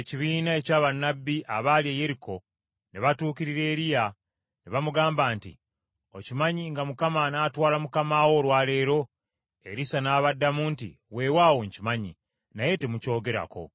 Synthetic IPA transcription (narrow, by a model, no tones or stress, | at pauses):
eciβiːnae̞caːβanːabːiʔaβaljeje̞ɾiko̞ | neβatuːkiɾiɾe̞ːɾija | neβamuɡaːmbaːntḭ | o̞cimaɲiŋɡamukamanaːtwaːlamukamaːwo̞ːlwaːle̞ːɾo̞ | e̞ɾisanaːβadːamuːntḭ | we̞ːwaːwoɲcimaɲḭ | naje̞te̞muco̞ːɡe̞ɾa̰ko̞̰